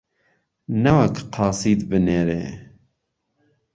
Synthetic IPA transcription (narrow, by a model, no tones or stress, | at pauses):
nawakqʰɑːsiːd̪bɨneɾḛː